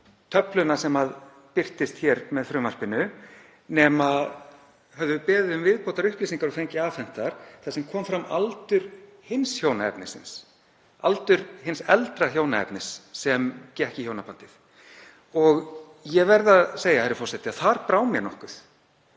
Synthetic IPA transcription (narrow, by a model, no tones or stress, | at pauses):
t̪ʰœplʏnasɛmað | pɪr̥t̪ɪst̪çɛɾmɛðfɾʏːmar̥pɪnʏ | nɛːmað | hœvðʏpɛːðɪðʏmvɪðpowt̪aɾʏhpliːsiŋkaɾɔfejɲcɪaːfɛn̥t̪aɾ̥θasɛmkʰɔːmfɾamalt̪ʏɾ̥hɪnsçjoːwnaɛ̰pnɪsɪ̰ns | a̰lt̪ʏɾ̥ɦɪnsɛlt̪ɾaçoːwnaɛ̰pnɪsːɛmcɛhcɪçownapant̪ɪθ | ɔɣ | jɛvɛɾðaðseːjahaɾɪfɔr̥sɛht̪ɪaθaɾpɾaːwmjɛnɔhkʏθ